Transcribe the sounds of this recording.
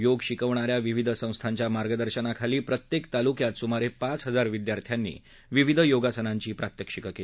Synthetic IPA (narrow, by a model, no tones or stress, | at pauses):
joɡɕikəʋɳaɾjaʋiʋid̪ʱəsə̃w̃st̪ʰaɲt͡ɕjamaɾɡəd̪əɾɕənakʰaliːpɾət̪jekt̪alukjat̪sumaɾepat͡sɦəd͡zaɾʋid̪jaɾt̪ʰjanːḭː | ʋiʋid̪ʱəjoɡasənaɲt͡ɕiːpɾat̪jəkʂikəkeli